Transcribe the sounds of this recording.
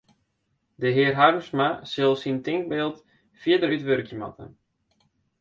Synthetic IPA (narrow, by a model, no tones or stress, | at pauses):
dəɦɪːərɦarmsmasɪlˠsintɪŋk̚beːlˠt | fjɪədəɾytʋørkjəmɔ̰tʰə̰n